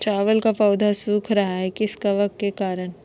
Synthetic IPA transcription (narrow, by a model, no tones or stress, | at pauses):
ʈɾaːʋəlkapɐːd̪ʱasuːkʰɾɐɦaɦɛkɪskaʋɐk̚t̪kekaːɾəñ